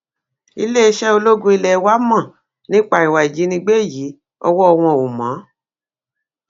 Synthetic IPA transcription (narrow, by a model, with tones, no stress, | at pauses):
i˧le˦i˧ʃɛ˦o˧lo˦ɡũ˧˦i˧lɛ˦˧˦wa˦mã˦˨ | nĩ˦k͡pa˦˨i˨wa˨i˨d͡ʒi˨˦nĩ˧ɡ͡be˦˨jiː˨˦ | ɔ˧wɔ˦ɔ˧w̃ɔ̃˧˨o˨mã˨˦